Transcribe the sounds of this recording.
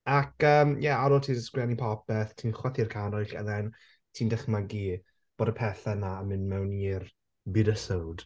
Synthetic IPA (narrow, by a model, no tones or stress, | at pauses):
akʰəːmjɛaɾɔːtʰiːəsɡ̥wɛnipʰɔpɛθtʰiːnχwaθirkʰaɾɔjɬɛ̰ðɛn | tʰiːndɛχmaɡiː | b̥oːdəpʰɛθanamɨnmɛwniir | bɨdəsəwd̥